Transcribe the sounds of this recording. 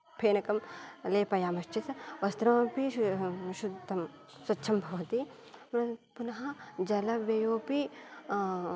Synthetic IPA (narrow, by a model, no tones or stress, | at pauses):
pʰeːnɐkɐmleːpɐjaːmɐʃt͡ʃit̪ʋɐst̪ɾɐːpiʃud̪t̪ːɐm | swɐtːʃʰɐmbʱɐt̪i | mpunɦãd͡ʒɐlɐʋejoːpi